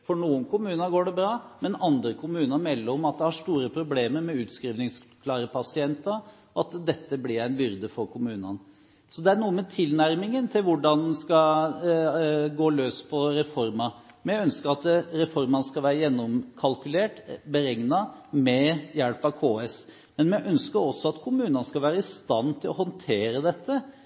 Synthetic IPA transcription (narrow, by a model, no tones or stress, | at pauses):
fɔɳuːənkʰʊmʉːnɑɡoːɖɛbɾɑːmɛnɑnd̪ɾəkʰʊmʉːnəmɛlːəɾɔmɑt̪̚d̪ɛhɑʂt̪uːɾəpʰɾʊbleːməɾmɛʉːt̪skɾiːʋnɪŋskʰlɑːɾəpʰɑsɪɛnt̪ə | ɑt̪d̪ɛt̪ːəblɪɾæɪnbʏɾd̪əfɔɾkʰʊmʉːnə̰n | sɔd̪ɛæɳuːəmɛt̪ʰɪlnæɾmɪŋənt̪ʰɪlʋʊɖɑnskɑ | ɡoːløːspʰɔɾɛfɔɾmɑ | mɛœnskəɾɑt̪ɾɛfɔɾmɑnəskɑlʋæːɾəjɛnːɔmkʰɑlkʉleːʈbəɾɛŋnɑmɛjɛlpɑʋkʰoːɛs | mɛnmɛʔœnskəɾɔsːɔɑt̪kʰʊmʉːnɑnəskɑʋæːɾəɪst̪ɑnːt̪ʰɪlɔhɔnt̪ʰeːɾəd̪ɛt̪ːə